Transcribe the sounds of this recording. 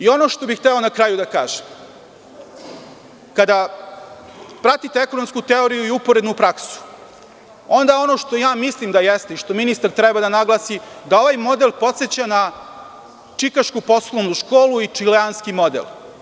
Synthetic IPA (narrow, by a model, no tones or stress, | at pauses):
io̞no̞ʃt̪o̞bixt̪ɛo̞nakɾaːjud̪aka̰ːʒem | kad̪a | pɾat̪it̪eeko̞nomskut̪eo̞ɾijuiupo̞ɾed̪nupɾaksu̥ | o̞nd̪ao̞no̞ʃt̪o̞jaːmislimd̪ajest̪eiʃt̪o̞minist̪aɾt̪ɾɛbad̪anaɡlˠasid̪ao̞ʋajmo̞d̪elˠpo̞t̪se̞t͡ɕana | t͡ʂikaʃkupo̞slˠonuʃkoːluit͡ʂileanskimo̞d̪ḛlˠ